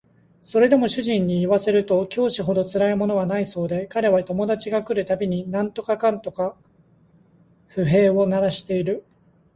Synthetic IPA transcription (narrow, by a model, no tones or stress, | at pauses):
so̞ɾe̞d̪e̞mo̞ɕɨʑĩɲ̟ːiːβase̞ɾɯ̟t̪o̞kʲo̞ːɕiɦo̞d̪o̞t͡sɨɾaimo̞no̞βanaiso̞ːd̪e̞kaɾe̞βat̪o̞mo̞d̪at͡ɕiɡakɯ̟ɾɯ̟t̪abʲiɲ̟inãnt̪o̞kakãnt̪o̞ka | ɸɯ̟ɦe̞ːo̞naɾaɕi̥t̪e̞iɾɯ̟